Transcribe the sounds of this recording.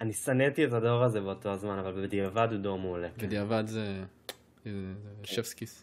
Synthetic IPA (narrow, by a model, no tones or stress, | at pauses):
anisanet̪ie̞t̪ado̞ʁaze̞beot̪o̞azmanavalbebed̪iavad̪ud̪omulebed̪iavad̪ze | zeʃefskis